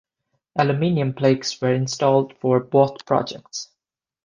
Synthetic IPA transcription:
ʔælɨmɪ̃niə̃npʰleɪkswə˞ɪ̃nstɔlˠd̥fɔɹbɔt̪pʰɹ̥ɑ̰d͡ʒɛ̰k̚ts

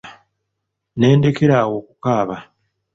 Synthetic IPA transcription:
ne̞ːnde̞ke̞ɾaːwo̞ːkukaːβa

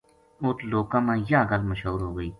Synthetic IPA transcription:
ʊt̪loːkãːmãːjaːɡəlməʃɦuːɾɦoːɡəiː

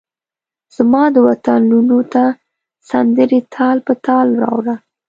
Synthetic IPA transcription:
z̥mɑd̪əwat̪anlunot̪a | sand̪əɾit̪ʰɑlpət̪ɑlɾɑ̰wɾa

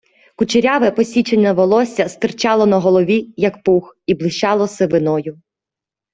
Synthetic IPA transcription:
kut͡ʃeɾʲaʋɛpɔsʲit͡ʃenʲːɐʋɔlˠɔsʲɐst̪ɪrt͡ʃɑlˠɔnɐɦɔlˠɔʋʲijɐkpuxiblˠɪʃt͡ʃɑlˠɔsɛʋɪnɔjʊ

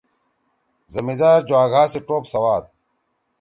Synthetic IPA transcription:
zɐmid̪aːɾd͡ʑwaːɡʱaːsiʈoːpsɐwaːt̪̚

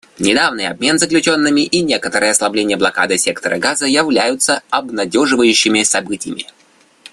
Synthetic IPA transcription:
nʲɪd̪avnɨjɐ̰b̚mʲe̞nzəklʲʉt͡ɕo̞nːɨmʲɪʔinʲe̞kət̪əɾɨjəɐslˠɐblʲenʲɪjəblˠɐka̰d̪ɨsʲe̞kt̪əɾə̰ɡazəjɪvlʲæjʊt̪səɐbnɐdʲo̞ʐɨvəjʉɕːɪmʲɪsɐbɨtʲɪjə̰mʲɪ̰

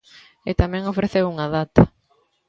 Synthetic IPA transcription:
ɪt̪amɛ̃ŋofɾeθewuŋɐðat̪ɐ

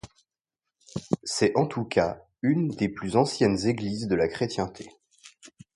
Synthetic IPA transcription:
sɛɑ̃t̪ʰukʰa | ynd̪eplyzɑ̃sjɛnzeɡlizd̪əlakχet̪jɛ̃t̪ʰe

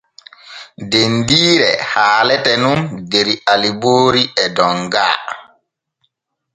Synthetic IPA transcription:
dendiːɾɛ̰haːlɛtɛnundeɾialiboːɾiɛdɔŋɡaː

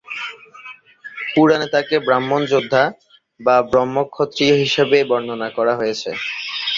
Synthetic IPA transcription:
puɾanet̪akebɾamːond͡ʑod̪ʱːa | babɾɔmːokʰːot̪ːɾioɦiʃebebɔnd̪ʱonakɔɾaɦojet͡ɕʰḛ

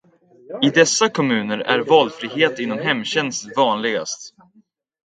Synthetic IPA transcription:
ɪd̪ɛsːakʰɔmʉ̟ːnəɾæ̰ɾvɑːlfɾiːɦeːt̪ɪnːɔmɦɛmːɕɛnst̪vɑːnlɪɡa̰st̪

